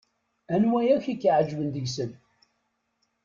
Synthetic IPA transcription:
ænwæjæçikːʕəd͡ʒvənd̪əʝsən

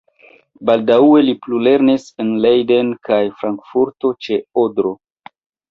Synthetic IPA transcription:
baldaue̞liplule̞ɾnisenlejde̞nkajfɾaŋkfuɾto̞t͡ʃe̞odɾo̞

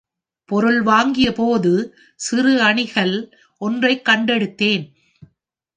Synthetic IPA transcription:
pɔɾɯɭʋaːŋɡɪjɐpoːðɯ | sɪrɯɐɳɪɣɐɭ | ʔɔndrɐɪkːɐɳɖɛɽɯt̪ːeːn

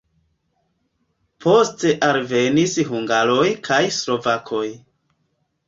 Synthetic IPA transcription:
pʰo̞ste̞ʔalve̞nisɦuŋɡalo̞jkʰajslo̞vakʰo̞j

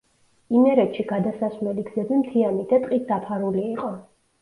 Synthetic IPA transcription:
imɛɾɛt̪ʃiɡad̪asasmɛliɡzɛbimt̪ʰiamid̪at̪ʼqʼit̪̚ʰd̪apʰaɾuliːqʼɔ

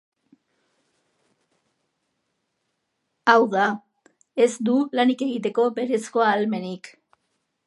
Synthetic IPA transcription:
awða | e̞zd̪ulanike̞ɣit̪e̞ko̞be̞ɾe̞sko̞alme̞nik

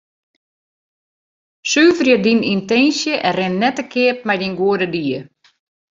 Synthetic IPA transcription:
syːvərjədinintɛnsjəʔɛrɪnːɛtəkʰɪəp̚mɛjdinɡuədədiə

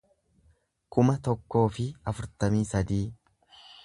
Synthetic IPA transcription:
kʊmɐt̪ɔkːo̞ːfɪɐfʊɾt̪ɐmiːsɐd̪iː

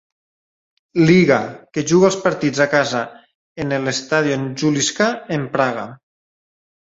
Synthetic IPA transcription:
liɣakeʒuɣalˠspaɾt̪id͡zakaza | enelest̪aðjioenʒuliskaempɾaɣa

